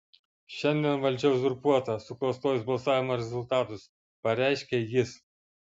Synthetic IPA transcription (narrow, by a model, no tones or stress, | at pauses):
ʃʲɛnʲd̪ʲiɛnʋɐlʲd͡ʒʲɛʊsʊɾpuɔt̪ɐsʊklˠɐst̪oːjsbɐlˠsɑːʋʲɪmɐːɾʲɛzʊlʲˠt̪ɑːt̪ʊs | pɐɾʲæˑɪʃʲkʲɛjɪs